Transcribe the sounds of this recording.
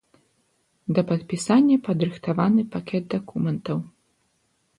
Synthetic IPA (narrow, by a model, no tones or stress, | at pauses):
d̪ɐpɐt̪̚pʲisanʲːɐpɐd̪ɾɨxt̪avanɨpakʲɛd̪̚d̪akumɛnt̪ɐw